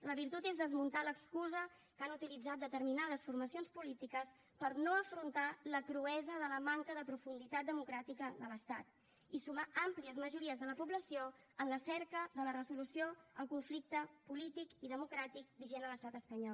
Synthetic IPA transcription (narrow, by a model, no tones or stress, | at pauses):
ləβiɾt̪ut̪ezðəzmunt̪aləkskuzəkanut̪ilid͡zat̪̚d̪ət̪əɾminað̞əsfuɾməsionspulit̪ikəs | pəɾnoəfɾunt̪aləkɾuɛzəðələmaŋkəðəpɾufund̪it̪at̪̚d̪əmukɾat̪ikəðələst̪at̪̚ | isumaampliəzməʒuɾiəzðələpubləsio | ənləsɛɾkəðələrəzulusioəlˠkuɱflik̚t̪əpulit̪ikiðəmukɾat̪ik̚biʒenələst̪at̪əspəɲɔ